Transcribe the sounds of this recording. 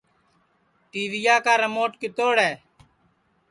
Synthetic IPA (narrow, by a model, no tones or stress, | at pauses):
ʈiːʋiːjaːkaːɾəmoːʈkɪt̪oːɽɛː